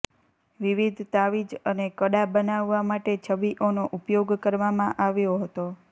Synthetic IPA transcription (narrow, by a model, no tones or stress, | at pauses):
ʋiʋid̪ʱt̪aʋid͡ʒənekəɽabənaʋːamaʈet͡ʃʰəbiʔonoʔupjoɡkəɾʋamãʔaʋjoɦət̪o